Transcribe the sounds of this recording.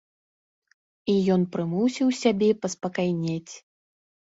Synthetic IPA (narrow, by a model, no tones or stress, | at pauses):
ijɔnpɾɨmuwsʲiwsʲabʲɛpɐspɐkajnʲat͡sʲ